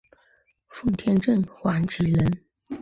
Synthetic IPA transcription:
fu˥˩t̪ʰjɛ˥nʈ͡ʂə˥˩nxwa˧˥nt͡ɕʰi˧˥lə˧˥n

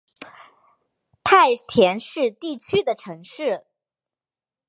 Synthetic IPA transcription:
p̪ʰa˥˩ɪt̪ʰjɛ˧˥nʂɻ̩˥˧t̪i˥˩t͡ɕʰy˥d̪ə˨ʈ͡ʂʰɤ˧˥ŋʂɻ̩˥˩

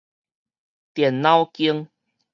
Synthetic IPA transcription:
t̪jɛ˨˩nːã˦wki˦əŋ

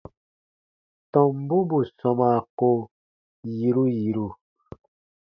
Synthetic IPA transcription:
tɔ˨m̩˦bu˦bu˨sɔ˨ma˨ko˦ | ji˨ɾu˦ji˨ɾu˦˨

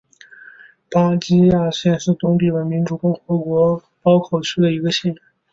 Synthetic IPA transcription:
pa˥t͡ɕi˥ja˥˧ɕjɛ˥˧nʂɻ̩˥˩t̪ʊ˥ŋt̪i˥˩we˧˥nmi˧˥nʈ͡ʂu˨˩kʊ˥˩ŋxɤ˧˥kwɔ˧˥ | pɑ˥ʊkʰo˨˩ʊt͡ɕʰy˥d̪ə˨i˧˥ɡə˧ɕɛ˥˩ja˨˩˦ŋ

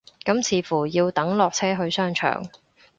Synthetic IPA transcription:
kɐ˨˥mt͡sʰiː˨˥fuː˨˩jiː˧wt̪ɐ˨˥ŋlɔː˨k̚t͡sʰɛː˥ɦɵ˧ɥsœː˥ŋt͡ʃʰœ̰ː˨˩ŋ

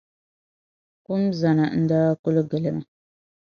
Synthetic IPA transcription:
kʊ˦mza˨na˨n̩˦daː˦kʊ˦lɨ˦ɡɨ˨lɨ˦ma˨

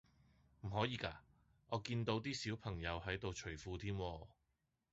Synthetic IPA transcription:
m̩˨˩ɦɔː˨˥jiː˨˧ka̰ː˧ | ɔː˨˧kiː˧nt̪o˨˥wt̪iː˥siː˨˥wpʰɐ˨˩ŋjɐ˨˧wɦɐ˨˥jt̪o˨wt͡ʃʰɵ˨˩ɥfuː˨˧t̪ʰiː˥mwɔː˧

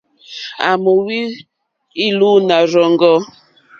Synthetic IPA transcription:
a˨mo˨wi˦ | i˦lu˦na˨ɾɔ˨ŋɡɔ˦

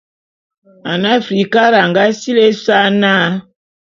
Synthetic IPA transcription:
a˨na˦˨fɾi˨ka˦ɾa˨ŋɡa˦si˦le˦sa˦na˦

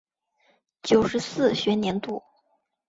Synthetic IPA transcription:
t͡ɕjo˨˩ʊʂɻ̩˧˥sɹ̩˥˩ɕɥɛ˧˥njɛ˧˥nt̪u˥˩

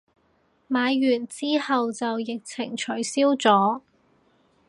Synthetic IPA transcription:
maː˨˧jjyː˨˩nt͡siː˥hɐ˨wt͡sɐ˨wjɪ˨k̚t͡sʰɪ˨˩ŋt͡ʃʰɵ˨˩jsiː˥wt͡sɔː˨˥

